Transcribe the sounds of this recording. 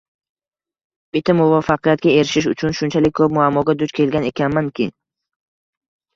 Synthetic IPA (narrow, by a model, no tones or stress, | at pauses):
bɪt̪ʰːamʊvafɑqijat̪̚ɡʲae̞ɾɪʃɪʃ̬ʊt͡ʃʰʊnʃʊnt͡ʃʰalɪk̚ʲkʰːɵp̚mʊamːɒɡʲad̪ʊt͡ʃkʰʲe̞lɡʲane̞kʲʰanmankʲʰɪ